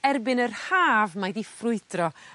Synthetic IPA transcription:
ɛrbɪnərhaːvmajdifrʊɨdrɔ

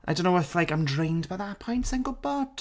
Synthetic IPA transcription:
ʔaɪõʊ̃noʊwlaɪkãɪ̃mdɹẽɪ̃ndbaɪðapʰɔ̃ɪ̃ntsɪ̃ŋɡəl̩ˠbɔd̥

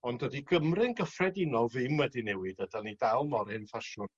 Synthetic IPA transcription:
ɔndədiɡəmrɪnɡəfrɛdɪnɔvɪmədinɛwɨdədanidalˠmɔɾɪnfaʃʊn

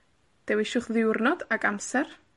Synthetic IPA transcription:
d̥ɛwɪʃʊχðɪwrnɔdaɡamsɛr

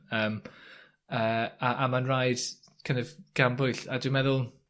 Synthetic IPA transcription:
əːm | əːaʔamanrajd̥ | kʰãnɔvɡ̥ambʊjɬadɪmɛðʊlˠ

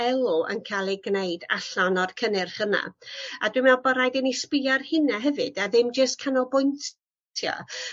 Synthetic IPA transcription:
ɛlˠʊə̰nkʰalˠɪɡnejda̰ɬɔnɔr̥kʰənɨrhəna̰adwɨmɛlˠbəɾajdɛnispɪarhɪnaɦɛvɨd̥aðɪmd͡ʒəstkʰanɔlˠbʊjnt | tʰjɔ̰

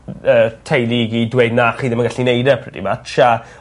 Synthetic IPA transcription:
əːtʰejlˠiɡidweɨdnaχiːðəmanɡaɬinejdɛpʰrɛdḭmatʃa

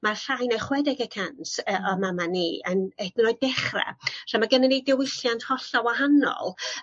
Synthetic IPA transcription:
marɬajnɛχwɛdɪɡəkʰansəʔɔmamaniːənɛdnɔɨd̚dɛχrɛ̰r̥amaɡənanedɪwɪɬjantʰhɔɬɔwaɦanɔ̰lˠ

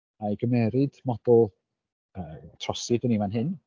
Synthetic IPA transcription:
ajɡəmɛɾɨd̥mɔd̥ʊlˠ | əːtʰrɔsɨdənimanɦɪn

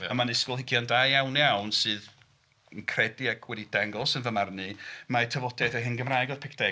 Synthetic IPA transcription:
əmanɪskʊlˠɦɪɡjɔndajjawnjawnsɨːð | ənkʰrɛdiakʰwɛdidaŋɡɔlˠsənvəmarnɨmaɛtʰəvɔdɛθeɦɪnɡəmrajɡɔð̥pʰɪkʰd̥ɛ

